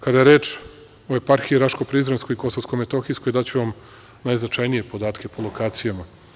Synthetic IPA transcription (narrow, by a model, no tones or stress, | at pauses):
kad̪aje̞ɾe̞ːt͡ʃ | oe̞paɾxiiɾaʃko̞pɾizɾenskojiko̞soskomet̪o̞xiskojd̪at͡ɕuʋam | naːjznat͡ʃajnije̞po̞d̪aːt̪kʰʲe̞po̞lˠo̞kaːt̪sijama